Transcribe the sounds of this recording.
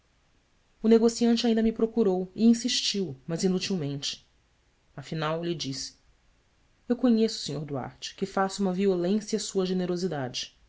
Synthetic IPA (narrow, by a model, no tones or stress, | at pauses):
ʊneɡosiɐ̃nt͡ʃɪaĩnd̪ɐmɪpɾokuɾowiĩsiʃt͡ʃiwmɐzinut͡ʃiwmẽnt͡ʃɪ̥ | afinawlɪd͡ʒisɪ̥ | ewkõɲesʊ̥seɲoɾd̪ua̰ɾt͡ʃɪ̥kɪfasũmɐviolẽsjɐsuɐʒeneɾozid̪ad͡ʒɪ